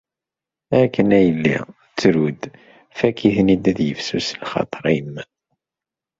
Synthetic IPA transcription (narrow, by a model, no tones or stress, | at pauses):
ækːənæjəlːḭ | t͡sːɾud̪ | fækːiθnid̪æðjəfsuslχɑ̰t̪ˤəɾˤæjəmːən